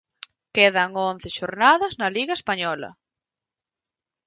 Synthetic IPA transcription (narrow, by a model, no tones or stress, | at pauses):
keðɐŋõn̟θeʃoɾnaðɐznɐliɣɐespaɲɔlɐ̰